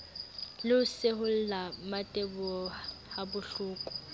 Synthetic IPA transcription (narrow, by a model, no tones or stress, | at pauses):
lɪʊseɦʊl̩lamatʼebʊɔhabʊɬuːkʼʊ̥